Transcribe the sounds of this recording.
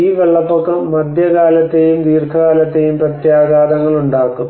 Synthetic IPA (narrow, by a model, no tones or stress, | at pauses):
iːʋeɭːɐpːokːɨmɐd̪ʱjɐɣaːlɐt̪ːe̞jumd̪iːrkʰɐɣaːlɐt̪ːe̞jumprɐt̪jaːɡaːd̪ɐŋːɐɭuɳɖaːkːum